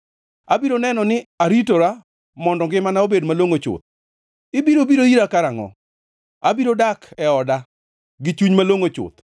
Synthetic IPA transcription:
abiɾonɛnɔnɪaɾitoɾa | mɔndɔŋɡɪmanaobedmaloŋot͡ʃʊ̰t̪̚ | ɪbiɾobiɾoiɾakaɾaŋɔ̰ | abiɾodakɛɔda | ɡɪt͡ʃuɲmaloŋot͡ʃʊ̰t̪

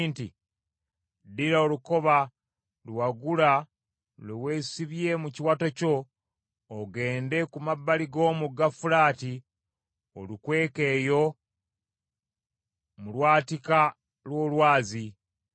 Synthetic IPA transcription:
nti | diɾaoluko̞βa | lwaɡula | lewe̞ːsiβje̞muciwatoco̞ | oɡe̞ːnde̞kumabːaliɡo̞ːmuɡafulaːti | o̰lukwe̞ːke̞ːjo̞ | mulwaːtika | lwo̞ːlwaːzi

